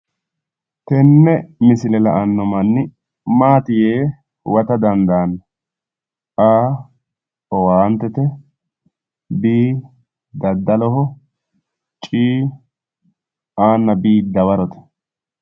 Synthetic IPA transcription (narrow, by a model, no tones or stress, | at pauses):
t̪ɛnːɛmɪsɪlɛlɐʔɐnːɔmɐnːɪ | maːt̪ɪjeː | wɐt̪ɐd̪ɐnd̪aːn | ʔaː | ɔwant̪ɛt̪ɛ | biː | d̪ɐd̪ːɐlɔɦɔ | t͡ʃʼiː | aːnːɐbiːd̪ɐwɐɾɔt̪ɛ̥